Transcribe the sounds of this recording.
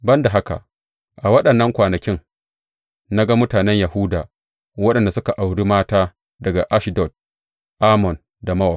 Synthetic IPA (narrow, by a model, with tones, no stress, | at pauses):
bɐ˦nda˨ɦa˦ka̰˨ʔ | ʔa˨wɐ˦ɗɐ˨nːɐ˦ŋkʷaː˨nɐ˨kʲɪ˦ŋ | na˦ɡa˦mʊ˦taː˨nɛ˦ɲja˨hʊ˦daː˨ | wɐ˦ɗɐ˨nda˨sʊ˦ka˨ʔa˨wɽiː˦maː˦taː˦ | dɐ˨ɡa˨ʔa˦ʃɪ˨dɔ˨t̚ | ʔa˦mɔ˨n | da˨mɐ˦wa˨